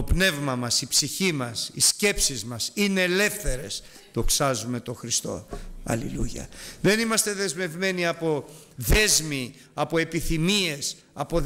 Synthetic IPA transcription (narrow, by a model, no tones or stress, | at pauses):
o̞pne̞vmɐmɐsipsiçimɐsisce̞psizmɐsineːle̞fθe̞ɾe̞s | ðo̞ksɐzume̞t̪o̞xɾist̪o̞̰ɐ̰liluʝɐ̰ðe̞nimɐst̪e̞ðe̞zme̞vme̞niɐpo̞ | ðe̞zmi | ɐpo̞e̞piθimie̞s | ɐpo̞